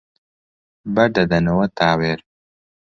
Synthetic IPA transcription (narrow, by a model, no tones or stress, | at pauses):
bɐd̪ɐd̪ɐnɐwɐt̪aːweɾ